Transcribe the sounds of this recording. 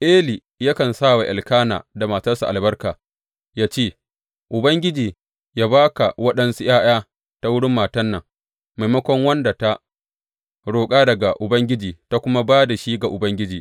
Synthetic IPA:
ʔeː˦li˨ | ja˦kɐ˨nsa˦˨wa˨ʔa˨lkaː˦na̰ː˨da˨maː˨tɐ˦rsṵ˨ʔa˨lbɐ˦rkaː˨ | jaː˦t͡ʃeː˦˨ | ʔʊ˨bɐ˦ŋɡʲɪ˦d͡ʒiː˨ | jaː˦baː˦ka˨wɐ˦ɗɐ˦nsu˦j̰aː˦j̰aː˦ | ta˦wʊ˦ɽɪ˦mːaː˨tɐ˦nːɐ˨ŋ | me˨mɐ˦kʷɔ˦ŋwɐ˦nda˨ta˦ | ɽoː˨kʼaː˦dɐ˨ɡa˨ʔʊ˨bɐ˦ŋɡʲɪ˦d͡ʒiː˨ta˦kʷʊ˦ma˦baː˦da˨ʃiː˦ɡa˨ʔʊ˨bɐ˦ŋɡʲɪ˦d͡ʒiː˨

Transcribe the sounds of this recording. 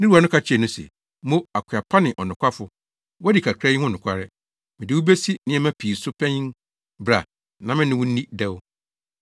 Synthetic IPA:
nɪ̃˦ɾu˦˨a˨nʊ̃˦kʰa˦t͡ɕʰɛ˨nʊ̃˦sɛ̰˨ | mõ˦a˨kʷʰɪ˨a˨pʰa˦nɪ̃˨ʔɔ˨nʊ̃˨kʷa˦fʊ˨ | wɔ˦dɪ˨kʰa˨kʰɾa˦jɪ˦hʊ̃˦nʊ̃˨kʷʰa˦ɾɪ˦ | mɪ̃˨dɪ˨wu˦be˦si˦nɪ̃˨˦ɛ˨˦mæ̃˦pʰi˨sʊ˦pʰɛ̃˦ɲĩ˦n | bɾa˨ | nã˨mɪ̃˦nɪ̃˦wʊ̃˦nĩ˦dɛ˦w

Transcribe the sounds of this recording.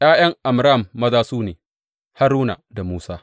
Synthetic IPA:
j̰aː˦j̰ɐ˦ŋʔa˨mɾa˦˨mːɐ˦zaː˦suː˦neː˨ | ha˦ɾuː˦na̰˨da˨muː˦saː˦

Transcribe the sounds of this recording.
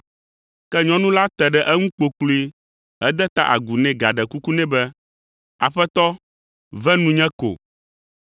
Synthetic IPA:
kɛ˦ɲɔ̃˦nũ˦la˦t̪ɛ˨ɖɛ˦ʔɛ˦ŋũ˦k͡po˨k͡plu˦i˦ | ɛ˦d̪ɛ˦t̪a̰˦ʔa̰˨ɡu˨nɛ̃˨ɡa˨ɖɛ˨ku˦ku˦nɛ̃˦bɛ˦ | a˨ɸɛ˦t̪ɔ˦ | vɛ˦nũ˦ɲɛ̃˦ko̰˨

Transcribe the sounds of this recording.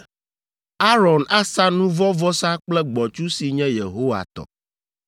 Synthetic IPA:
a˦ɾɔ˨na˦sa˦nũ˦vɔ˦vɔ˦sa˦k͡plɛ˦ɡ͡bɔ˨t͡ʃu˦si˨ɲɛ̃˦je˨ɦo˦wa̰˨t̪ɔ̰˨

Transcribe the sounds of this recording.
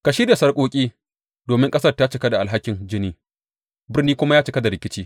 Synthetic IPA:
ka˨ʃɪ˦ɽja˨sɐ˦rkʷʼoː˦kʲʼiː˦ | doː˨mɪ˦ŋkʼɐ˦sɐ˦rta˦t͡ʃɪ˨˦kɐ˦da˨ʔa˨lɦa˦kʲːɪ˨nd͡ʒɪ˦niː˦ | bɪ˦rniː˦kʷʊ˦ma˦jaː˦t͡ʃɪ˨kɐ˦da˨ɾɪ˨kʲɪ˦t͡ʃiː˦

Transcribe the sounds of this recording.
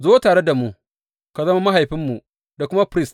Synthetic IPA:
zoː˦taː˨ɽe˦da˨mu˦ | ka˨zɐ˦ma˦ma˦ɦa˨jɸɪ˦mːu˨ | da˨kʷʊ˦ma˦pɾɪ˦s

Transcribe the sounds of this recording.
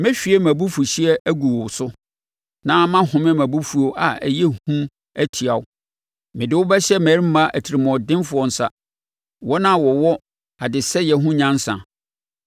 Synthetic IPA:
mɛ̃˦ɕᶣi˨˦ɛ˦mæ̃˨bu˦fu˨ɕi˦ɛ˦ʔæ˦ɡu˨wɔ˨sʊ˦ | nã˦mã˦hʊ̃˨mɪ̃˦mæ̃˨bu˦fu˨˦o˨ʔa˨æ̰˨jɛ˦hũ˦ | æ˦tʰi˨a˨ʊ˦ | mɪ̃˨dɪ˨wʊ˦bɛ˦ɕɛ˦mæ˨ɾi˦m˦mã˦ʔæ˨tʰi˨ɾi˨mɔ̃˨dɪ̃˦mfʊ˦ɔ˨n̩˨sa˦ | wɔ˦nã˦˨wɔ˨wɔ˦ | a˨dɪ˨sɛ˦jɛ˨ɦʊ̃˦ɲã˦n˦sã̰˨

